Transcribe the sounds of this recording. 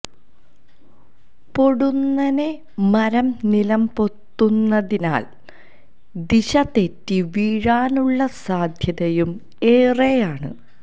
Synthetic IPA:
po̞ɽunːɐne | mɐɾɐmnilɐmpo̞t̪ːunːɐðina̰ːl | d̪iɕɐt̪e̞tːiʋiːɻaːnuɭːɐsaːd̪ʱjɐðɐjum | e̞ːrejaːɳɨ̰

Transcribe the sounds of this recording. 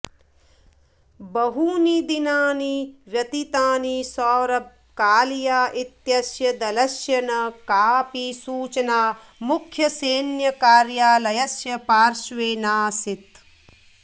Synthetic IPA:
bɐɦuːnid̪inaːniʋjɐt̪it̪aːnisɔːɾɐb̚ | kaːlijaːʔit̪jɐsjɐd̪ɐlɐsjɐnɐkaːpisuːt͡ʃɐnaː | mukʰjɐseːnjɐkaːɾjaːlɐjɐsjɐpaːɾʃʋeːnaːsit̪

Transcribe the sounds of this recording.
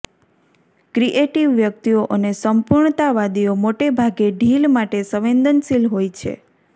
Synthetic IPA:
kɾiʔeʈiʋːjək̚t̪ioʔənesəmpuɾɳt̪aʋad̪iomoʈebʱaɡeɖʱilmaʈesəʋend̪ənsilɦojt͡ʃʰḛ

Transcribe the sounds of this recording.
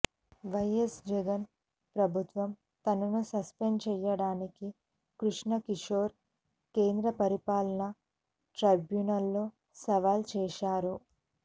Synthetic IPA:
ʋɐjesd͡ʒɛɡɐn | pɾɐbʱut̪ʋɐm | t̪ɐnɐnusɐspeɳɖt͡ʃɛːjɐɽaːniki | kɾuʂɳɐkiʂoːɾ | keːnd̪ɾɐpɐɾipaːlɐnɐ | ʈɾɐbjunɐlːoː | sɐʋaːlt͡ʃɛːʃaːɾu

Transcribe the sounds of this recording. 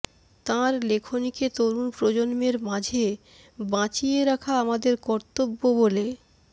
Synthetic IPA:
t̪ãɾlekʰoniket̪oɾunpɾod͡ʑonmeɾmãd͡ʑʱe | bãt͡ɕijeɾakʰaamad̪eɾkɔɾt̪obːobole

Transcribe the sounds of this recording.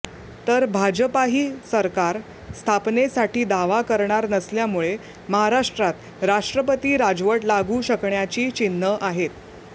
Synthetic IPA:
t̪əɾbʱad͡ʑəpaɦiːsəɾkaɾ | st̪ʰapnesaʈiːd̪aʋakəɾɳaɾnəsljamuɭe | məɦaɾaʂʈɾat̪ | ɾaʂʈɾəpət̪iːɾad͡zʋəʈlaɡuɕəkɳjat͡ɕiːt͡ɕinːəʔaɦet̪

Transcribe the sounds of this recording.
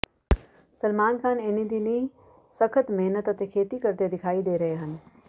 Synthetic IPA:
səlmaːnkʰaːneːnid̪ini | sɐkʰət̪meɦnət̪ət̪ekʰeːt̪ikəɾt̪ed̪ɪkʰaːid̪eːɾɐɦeɦən̆

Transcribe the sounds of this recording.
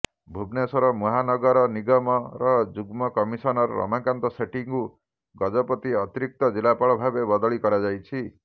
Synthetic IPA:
bʱubnesɔɾɔmɔɦanɔɡɔɾɔniɡɔmɔɾɔd͡ʒuɡmɔkɔmisɔnɔɾɔ̰ɾɔ̰makant̪ɔseʈiŋku | ɡɔd͡ʒɔpɔt̪iɔt̪iɾik̚t̪ɔd͡ʒilapaɭɔbʱabebɔd̪ɔɭikɔɾad͡ʒajt͡ʃʰi

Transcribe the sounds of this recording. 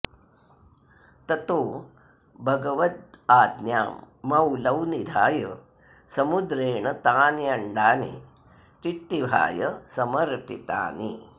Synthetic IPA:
t̪ɐt̪oː | bʱɐɡɐʋɐt̪̚aːd̪njaːmː | ɐwlɐwnid̪ʱaːjɐ | sɐmud̪ɾeːɳɐt̪aːnjɐɳɖaːnḭ | ʈ̪iʈːiʋʱa̰ːjɐsɐmɐɾpit̪a̰ːni

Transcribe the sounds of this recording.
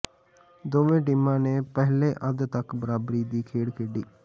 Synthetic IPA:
d̪oːʋẽːʈ̬ɪmãːneːpɛɦleːʔəd̪t̪əkbəɾaːbɾiːd̪iːkʰeːɽkʰɪɖiː

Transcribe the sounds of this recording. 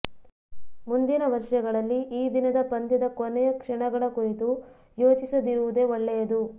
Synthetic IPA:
mund̪inɐʋɐɾʂɐɡɐɭɐlːiʔiːd̪inɐd̪ɐpɐnd̪id̪ɐkonɛjɐkʂɐɳɐɡɐɭɐkoɾit̪u | jo̞ːt͡ʃisɐd̪iɾuʋud̪e̞ɔɭːɛjɐd̪u

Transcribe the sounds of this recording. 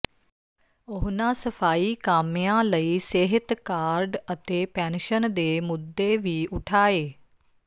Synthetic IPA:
ʊɦnãːsəpʰaːiːkaːmɪjãːləiːseɦɪt̪kaːɾɖət̪eːpɛ̃ːnʃənd̪eːmʊd̪ːeːʋiːʔʊʈʰaːeː

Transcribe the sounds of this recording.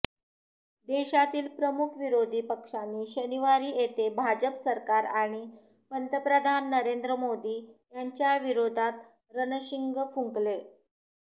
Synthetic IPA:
d̪eɕat̪iːlpɾəmukʰʋiɾod̪ʱiːpəkʂanːiːɕəniʋaɾiːjet̪ebʱad͡ʑəpsəɾkaɾaɽ̃i | pənt̪əpɾəd̪ʱanːəɾend̪ɾəmod̪iːjaɲt͡ɕjaʋiɾod̪ʱat̪ | ɾənəɕiŋɡəfũŋkle

